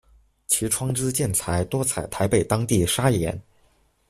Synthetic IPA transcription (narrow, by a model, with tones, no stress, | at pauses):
t͡ɕʰi˧˥ʈ͡ʂʰwɑ˥ŋʈ͡ʂɻ̩˥t͡ɕjɛ˥˩nt͡sʰa˧˥ɪt̪wɔ˥t͡sʰa˨˩ɪt̪ʰa˧˥ɪpe˨˩ɪt̪ɑ˥ŋt̪i˥˩ʂa˥jɛ˧˥n